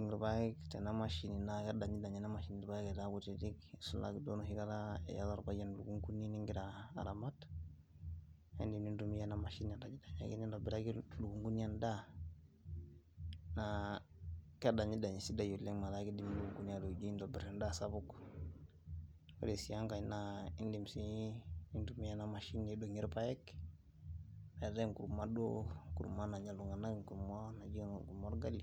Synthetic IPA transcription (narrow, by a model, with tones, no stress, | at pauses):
di˨ŋi˨ɾba˦i˦kte˨na˦ma˨ʃi˨ni˨na˦ka˦da˨ɲi˦da˨ɲi˦na˦ma˨ʃi˨ni˨ɾi˨ba˦ke˨ta˦ku˨tidi˦ksu˨la̰˨ɡdo˦nu˨hi˨ka˦ɾaḛ˨ja̰˦la˨ɾba˦d͡ʒe˦nlu˨ɡu˦ŋku˦ni˦ni˦ŋɡi˦ɾa̰ː˨ɾa˨ma˦t | hḛ˦ndi˨mni˦ndu˦mi˦ja˦na˦ma˨ʃi˦na˨da˨d͡ʒi˦da˨ɲa˨ɡi˦ni˦ndo˨bi˨ɾa˦ɡi˦lu˨ɡu˨ŋɡu˦n˦a˦nda˦ | na | ka˦da˨ɲi˦da˨ɲi˨si˦da˨ju˨lːe˦ŋma˨la˨˦ki˦di˦m˦luɡu˨ŋɡu˦n˦a˦do˨d͡ʒi˦ndɔ˨bɛ˨ɾɛ˨nda˦sa˦bu˦k | wḛ˦de˨si˨ja˦ŋka˨ɲ˦na˦i˦ndi˨msi˦ni˦ndu˨mi˦ja˦na˦ma˨ʃi˦ni˨do˨ɲi˦ɾpa˦jɛ˦k | na˨da˦ku˨ɾu˨ma˦do˦kṵ˨ɾṵ˨ma˦na˨ɲa˨lu˨ŋa˨na˦ɡi˦˨ŋku˨ɾu˨mo˦na˨d͡ʒi˦ku˨mo˦ɾɡa˦li˨